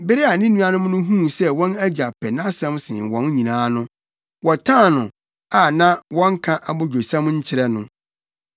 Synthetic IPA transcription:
bɪ˦ɾɪ˦a˨nɪ̃˦nũ˦a˦nʊ̃˦m˦nʊ̃˦ɦũ˦sɛ˦wɔ̃˦næ˦d͡ʑa˨pʰɛ˨nã˦sɛ̃˦msɪ̰̃˨wɔ̃˨n˦ɲĩ˨nãː˦nʊ̃˦ | wɔ˨tʰã˦˨nʊ̃˨ | a˨nã˦wɔ̃˦ŋ̩˦kʰã˦ʔa˨bɔ˦d͡ʑᶣo˨sã˦mɲ̩˦t͡ɕʰɪ˦ɾɛ˦nʊ̃˦

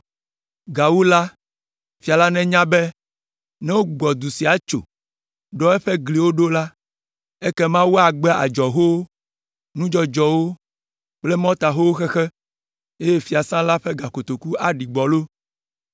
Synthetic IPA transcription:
ɡa˨wo˦la˦ | fi˨a˨la˦nɛ̃˦ɲã˦bɛ˦ | nɛ̃˦wo˦ɡ͡bɔ˨d̪u˨si˨a˨t͡ʃo̰˨ | ɖɔ˦ɛ˦ɸɛ˦ɡli˨wo˦ɖo˦la˦ | ɛ˦kɛ˦mã˦wu˦a˨ɡ͡bɛ˦a̰˨d͡ʒɔ˨ɦo˦wo˦ | nũ˦d͡ʒɔ˦d͡ʒɔ˨wo˦ | k͡ple˦mɔ̃˦t̪a˨ɦo˦wo˦xɛ˦xɛ˦ | e˦je˦fi˨a˨sã˦la˦ɸɛ˦ɡa˨ko˨t̪o˨ku˦a˨ɖi˨ɡ͡bɔ˨lo˦

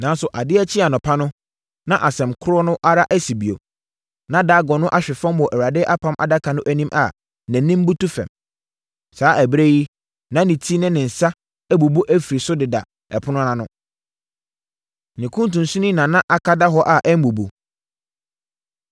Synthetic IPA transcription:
nã˨n˦sʊ˨ʔa˨dɪ˦ɛ˦t͡ɕʰɪ˦a˨nɔ̃˨pʰa˦nʊ̃˦ | nã˦ʔa˨sɛ̃˨mkʰʊ˦ɾɔ˦nʊ̃˦ʔa˦ɾa˦ʔæ˦si˨bi˨o̰˨ | nã˦da˦ɡɔ˨nʊ̃˦ʔa˦ɕᶣɪ˨fã˦mwɔ˨ʔæ˨wɾa˨dɪ˦ʔa˦pʰã˦mʔa̰˨da˦kʰa˨nʊ̃˦ʔæ˦nĩ˦mʔa̰˨ | næ̃˨nĩ˦m˦bu˦tu˦fɛ̰˨m | saː˨˦ʔæ˨bɾe˦ji˦ | nã˨˦nɪ̃˨tʰi˦nɪ̃˦nɪ̃˨n̩˨sa˦ | æ˦bu˨bu˦ʔæ˦fi˨ɾi˨sʊ˦dɪ˨da̰˨ | ɛ˨pʰʊ˦nʊ̃˦nã˦nʊ̃˦ | nɪ̃˨kʰũ˦n˦tũ˨n̩˨sũ˦nĩ˦nã˨nã˦ʔa˨kʰa˦da˦ɦɔ˦ʔa˨ʔɛ˦m̩˦bu˨bṵ˨

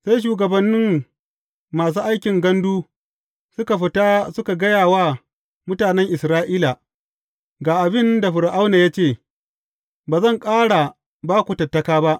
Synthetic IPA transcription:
sa˦jʃ̬uː˨ɡɐ˨bɐ˦nːɪ˦m | maː˨s̬uː˦ʔa˦jkʲɪ˨ŋɡɐ˦nduː˦ | sʊ˦ka˨ɸɪ˦ta˦sʊ˦ka˨ɡɐ˦jaː˨waː˦ | mʊ˦taː˨nɛ˦ŋʔɪ˨sɾaː˦ʔiː˦la˨ | ɡaː˨ʔa˨bɪ˦nda˨ɸʊ˨ɾʔa˦wnaː˨jaː˦t͡ʃeː˦˨ | baː˨zɐ˦˨ŋkʼaː˦ɽa˨ | baː˦kʷu˨tɐ˨tːɐ˦kaː˦ba˦ʔ

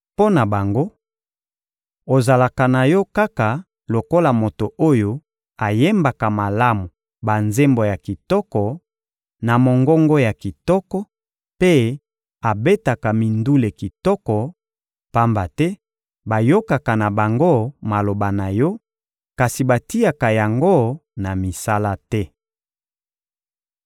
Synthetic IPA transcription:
po˦na˨ba˨ŋɡo˦ | o˨za˨la˨ka˨na˨jɔ˦ka˦ka˨ | lo˨ko˦la˨mo˨to˨o˦jo˦ | a˨je˦mba˨ka˨ma˨la˦mu˨ | ba˨nze˦mbo˨ja˨ki˨tɔ˦kɔ˨ | na˨mo˨ŋɡɔ˦ŋɡɔ˦ja˨ki˨tɔ˦kɔ˦ | pe˦ | a˨be˦ta˨ka˨mi˨ndu˦le˨ki˨tɔ˦kɔ˨ | pa˦mba˨tɛ˦ | ba˨jo˦ka˨ka˨na˨ba˨ŋɡo˦ma˨lo˨ba˨na˨jɔ˦ | ka˨si˨ba˨ti˦a˨ka˨ja˨ŋɡo˦na˨mi˨sa˦la˦tɛ˦

